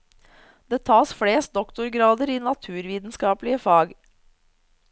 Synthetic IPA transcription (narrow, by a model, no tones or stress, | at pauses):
d̪eːt̪ʰɑːsfɽeːst̪̚d̪ɔkt̪ʊɾɡɾɑːd̪əɾiːnɑt̪ʰʉːɾʋiːd̪n̩skɑːpəlɪəfɑːɡ